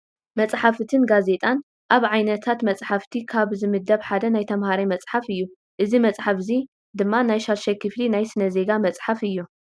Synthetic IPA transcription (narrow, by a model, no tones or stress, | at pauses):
mɐt͡sʼħafɨt̪ʰɨnɡaze̞t̪ʼan | ʔaβʕajnɐt̪ʰat̪mɐt͡sʼħaft̪ʰikʰaβzɨmɨd̪ːɐβħad̪ɐnajt̪ʰɐmhaɾajmɐt͡sʼħafɨjːu | ʔɨzimɐt͡sʼħafzi | d̪ɨmːanajʃaɾʃɐkʰɨflinajsɨnɐze̞ɡamɐt͡sʼħafɨjːu